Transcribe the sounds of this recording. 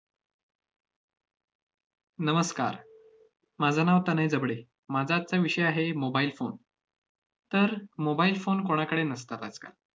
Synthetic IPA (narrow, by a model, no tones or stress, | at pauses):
nəməska̰ɾ | mad͡zʱanaʋt̪anaɦid͡zəbɽe | mad͡zʱat̪̚t͡saʋiʂəjaɦemobailfon | t̪əɾmobailfonkoɽ̃akəɽenəs̬t̪at̪ad͡zka̰l